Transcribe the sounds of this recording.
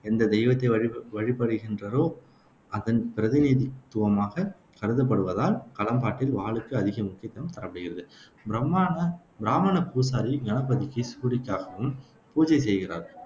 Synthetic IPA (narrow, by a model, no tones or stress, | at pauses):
ɛnd̪ɐd̪ɛɪʋɐt̪ːɐɪɐʋɐɻɪpːɐɽɯɣɪndrɐɾoː | ɐðɐnpɪɾɐðɪniðɪt̪ːɯʋɐmaːɣɐ | kɐɾɯðɐp̬ːɐɽɯʋɐðaːlkɐlɐmbaːʈːɪlʋaːɭɯkːɯɐðɪɣɐmʊkːɪjɐt̪ːɐnɐmt̪ɐɾɐpːɐɽɯɣɪɾɐðɯ | bɾɐma | bɪɾaːmɐnɐpuːs̬aːɾiɡɐnɐpɐðɪkːisuːɽɪkːaːɣɐʋɯm | puːd͡ʒɐɪs̬ɛjɣɪra̰ːɾ